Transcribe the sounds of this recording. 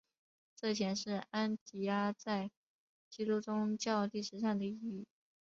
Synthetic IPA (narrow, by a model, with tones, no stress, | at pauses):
ʈ͡ʂɤ˥˩t͡ɕʰjɛ˧˥nʂɻ̩˥˩a˥nt̪i˧˥ja˥t͡sa˥˩ɪ | t͡ɕi˥t̪u˥ʈ͡ʂʊ˥ŋt͡ɕjɑ˥˧ʊt̪i˥˩ʂɻ̩˧˥ʂɑ˥˩ŋd̪ə˩i˥˩y˥˩